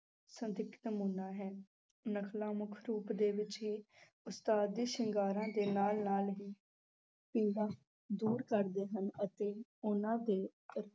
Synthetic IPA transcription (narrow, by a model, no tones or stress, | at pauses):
sə̃nd̪ɪkʰnəmuːnːaːɦɛː | nəkʰlaːmʊkʰɾuːpd̪eːʋɪt͡ʃɦiː | ʊst̪aːd̪iːʃɪŋɡaːɾãːd̪eːnaːlnaːlʋiː | piːd̪aː | d̪uːɾkəɾd̪eːɦənət̪eːʊnãːd̪eːəɾ